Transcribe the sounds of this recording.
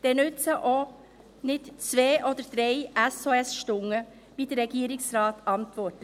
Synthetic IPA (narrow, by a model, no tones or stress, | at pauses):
d̥ɛːnʉt͡səʔo | nɪt̪t͡sʋeːʔod̪əd̪̥ɾeɪɛsoɛsʃtʊŋːə | ʋiːd̥̪əɾɛɡ̥iːɾɪksɾɑːt̪ɑnt̪ʋɔɾt